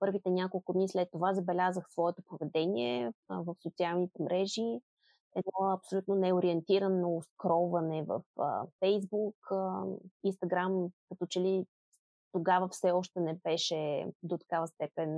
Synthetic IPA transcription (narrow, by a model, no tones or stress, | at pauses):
pɤɾvit̪ɛnʲakolˠkʊd̪nislɛt̪ːovazɐbɛlʲazəxsvɔɛt̪opovɛd̪ɛniɛvəfsot̪sialˠnit̪ɛmɾʔɛʒi | ɛd̪ɔɐpsolʲut̪nonɛoɾiɛnt̪iɾənːɐʊskɾɔvɐnɛvə̰fə̰fɛjzbuk | inst̪ɐɡɾamkɐt̪ɔt͡ʃɛli | t̪oɡavəfsɛɔʃt̪ɛnɛbɛʃɛd̪ot̪ɐ̥kavəst̪ɛpɛn